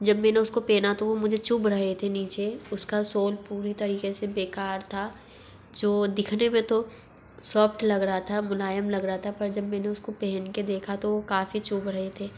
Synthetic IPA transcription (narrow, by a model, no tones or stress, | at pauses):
d͡ʒɐbmɛːneʊskopeːnat̪oʋomʊd͡ʒʱet͡ʃubɾɐɦet̪ʰeniːt͡ʃeʊskasoːlpuːɾit̪ɐɾiːkesebeːkaːɾt̪ʰa | d͡ʒoːd̪ɪkʰnemẽt̪o | sɔːfʰʈlɐɡɾɐɦat̪ʰamʊlaːjəmlɐɡɾɐɦat̪ʰapɐɾd͡ʒɐbmɛ̃ːneʊskopɛɦɛnked̪eːkʰat̪oʋokaːfit͡ʃubɾɐɦet̪ʰeː